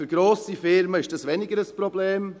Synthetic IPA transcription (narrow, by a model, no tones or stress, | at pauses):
yɾɡɾoːsifɪɾməɪʃd̥ɑsvɛnɪɡəɾəspɾobleːm